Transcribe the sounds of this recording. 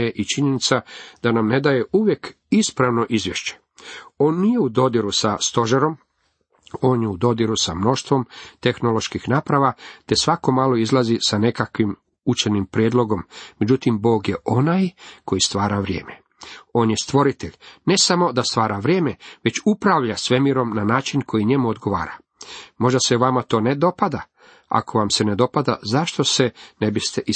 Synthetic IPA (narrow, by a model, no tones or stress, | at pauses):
eʔit͡ʃiɲe̞nit̪sad̪̥anamne̞d̪aje̞ʔuʋje̞k | ispɾaʋno̞ʔizʋje̞ʃt͡ɕe̥ | o̞ːnːije̞ud̪o̞d̪iɾusast̪o̞ʒaɾo̞m | o̞ːnjeud̪o̞d̪iɾusamno̞ʃt̪ʋo̞mt̪e̞xno̞lo̞ʃkixnaːpɾaʋat̪e̞sʋako̞maːlo̞izlˠazisane̞kakʋim | ut͡ʃenimpɾjeːd̪lo̞ɡo̞mːed͡ʑut̪imbo̞ːɡjeʔo̞najkʰo̞jist̪ʋaːɾaʋɾjḛːme | o̞ːnjest̪ʋo̞ɾit̪eʎʲne̞samo̞d̪ast̪ʋaːɾaʋɾjeːmeʋe̞t͡ɕupɾaʋʎasʋe̞miɾo̞mnanaːt͡ʃinkʰo̞jiɲe̞muod̪ɡo̞ʋa̰ːɾa | mo̞ʒd̪aseʋamat̪o̞ːned̪o̞pad̪a | a̰ko̞ʋamsened̪o̞pad̪a̰zaʃt̪o̞senebist̪eʔi